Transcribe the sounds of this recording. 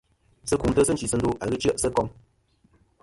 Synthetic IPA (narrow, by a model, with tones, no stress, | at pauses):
sə˦ku˨mtə˦sə˦n˦t͡ʃi˨sə˦ndu˦ʔa˨ɣɨ˦t͡ʃə˦ʔsə˦kɔ˦ŋ